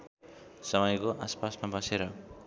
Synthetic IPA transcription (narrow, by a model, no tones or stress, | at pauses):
sʌmʌjkoʔaspasmabʌseɾʌ